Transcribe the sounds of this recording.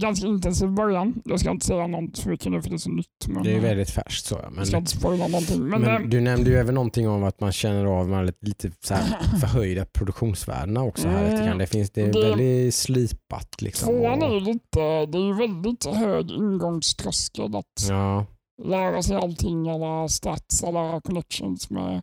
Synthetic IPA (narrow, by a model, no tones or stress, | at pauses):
ɡanskaɪnt̪ɛnsiːvbœɾjanjʔɑːɡskaɪnt̪ə̥sɛjːanɔnfœɾmɪkʰːənʉːfœɖɛsɔnʏt̪ːmɛ̰nɛæjvɛld̪ɪt̪fæ̰ʂkt̪sɔ̰ːja̰mɛnskaɪnt̪ə̥spœɾjanɔnt̪ʰɪŋːmɛnmd̪ɵnɛmnd̪əjɛːvəɳːnːɔnt̪ʰɪŋːɔmat̪manɕɛnːəɾɑvmɛlliːt̪ʰəsæːɾffœɾɦœjd̪apʰɾʊd̪ɵkɧuːnsvæ̰ːɖəɳaɔksɔæɾt̪kʰand̪ɛfɪnsd̪ɛd̪ɛvɛld̪ɪsliːpa̰t̪lɪ̰kssɔvmoːanæɾjʉliːt̪əd̪ɛæɾjɵvɛld̪ɪt̪høːɡɪ̰nɡɔŋst̪ʰɾœskəd̪a̰t̪ɑː | læːɾasɛjalt̪ʰɪŋːɛlːast̪at̪sɛlːaɾkʰɔnɛkʂə̰nsmɛ̰